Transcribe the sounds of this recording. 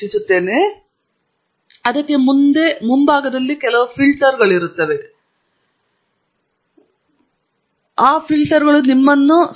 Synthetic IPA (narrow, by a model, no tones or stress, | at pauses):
isut̪ːe̞ːne | ɐðɐkːemund̪e̞mumbaːɡɐd̪ɐlːikɛlɐʋufilʈɐɾɡɐɭiɾut̪ːɐʋe̞ | aːfilʈɐɾɡɐɭunimːɐnːu